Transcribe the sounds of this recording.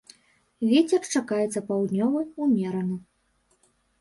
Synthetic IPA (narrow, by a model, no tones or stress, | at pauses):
vʲet͡sʲɛrt͡ʂakajɛt̪sːɐpawd̪nʲɔvɨjumʲɛɾɐnɨ